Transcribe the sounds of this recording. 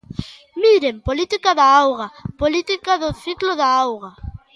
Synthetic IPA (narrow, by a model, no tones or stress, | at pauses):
miɾempolit̪ikaðaawɣapolit̪ikaðʊθikloðaawɣa